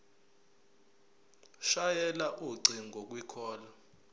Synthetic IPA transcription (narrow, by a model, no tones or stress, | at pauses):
ʃajɛlaʔuɡ͡ǀʱiŋɡʱok̬wikʰɔːla